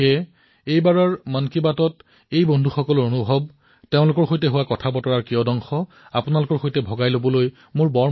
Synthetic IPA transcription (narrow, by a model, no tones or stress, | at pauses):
ɛ | ejbaɹɔɹmankibatɔt | ejbondʱuxɔkɔlɔɹonubʱɔb̚ | teʊ̃lʊkɔɹxojtɛɦʊwakɔtʰabɔtɔɹaɹkiɔdɔŋxɔ | apʊnalʊkɔɹxojtɛbʱɔɡajlobɔloj | mʊɹbɔɹ